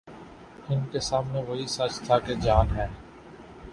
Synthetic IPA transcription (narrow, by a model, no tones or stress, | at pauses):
ɪnkesaːmneʋoɦisɐt͡ʃt̪ʰaked͡ʒaːnɦɛː